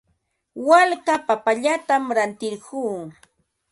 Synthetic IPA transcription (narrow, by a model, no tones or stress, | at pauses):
walkapapaʎat̪amɾant̪ɪɾɢuː